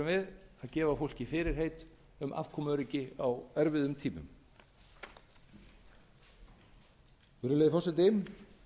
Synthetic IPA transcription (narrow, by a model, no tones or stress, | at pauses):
vɪðaðcɛːvafowl̥cɪfɪːɾɪɾ̥heːjt̪ | ʏmʔa̰v̥kʰɔːmœɾɪcɪawɛɾvɪðʏmt̪ʰiːmʏ̰m | ʏɾʏlejðɪfɔsɛnt̪ɪm